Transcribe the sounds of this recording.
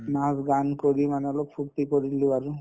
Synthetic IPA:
nasɡaːnkoɽimɐnelopʰuʈːikoɽilːiʋɐɾu

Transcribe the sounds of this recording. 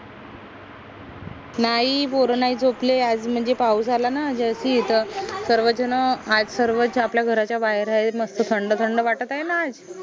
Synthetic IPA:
naɦipoɾonaiːt͡soplead͡zm̤əɳd͡zepaus̬alanad͡ʑəsit̪əɾsəɾʋəd͡ʑənəad͡zsəɾʋət͡sapljaɡʱəɾat͡ɕjabaɦeɾaeməst̪ət̪ʰəɳɖət̪ʰəɳɖəʋaʈət̪ajenaːd͡z

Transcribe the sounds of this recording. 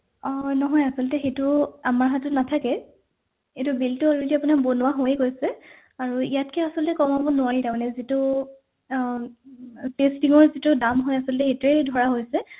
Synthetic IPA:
ɔnɔɦɔjasɔltɛxejtʊamaɹɦatʊnatʰakɛ | etʊbiltuɔlɔdiapʊnabonʊwaɦojɡojsɛ | aɹuijatkʰɛasɔltɛkɔmabɔnʊwaɹitaɹmanɛzitʊ | pestiŋɔɹzitʊdamɦojasɔlɔtɛxetuedʱɔɹaɦojsɛ

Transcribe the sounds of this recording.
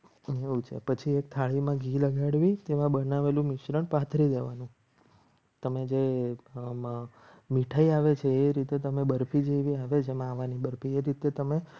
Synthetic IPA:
eɦũt͡ʃʰḛpət͡ʃʰiek̚t̪ʰaɭimãɡʱiləɡʱaɽʋit̪eʋãbənaʋelũmɪʃɾəɳpat̪ʰɾid̪eʋanũ | t̪əmed͡ʒe | miʈʰaiaʋet͡ʃʰeːɾit̪et̪əmebəɾpʰid͡ʒeʋiaʋed͡ʒemãːʋanibəɾpʰieɾit̪et̪əme

